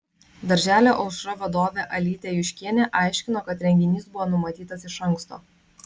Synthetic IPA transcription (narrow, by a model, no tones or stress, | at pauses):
d̪ɐɾʲʒʲæːlʲoːʔɒʊsʃɾɐʋɐd̪oːʋʲeʔɐlʲiːt̪ʲeːjʊʃʲkʲiɛnʲeʔɑˑɪʃʲkʲɪnoːkɐt̪ɾʲɛŋʲɡʲɪnʲiːsbʊʋoːnʊmɐt̪ʲiːt̪ɐsɪʃɐŋˑkst̪o̰ː